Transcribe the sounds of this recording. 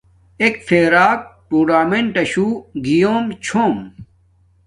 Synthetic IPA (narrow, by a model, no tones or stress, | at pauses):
ekfʰeːɾaːk̚puːɖaːmeɳʈɐɕuːɡijoːmt͡ɕʰoːm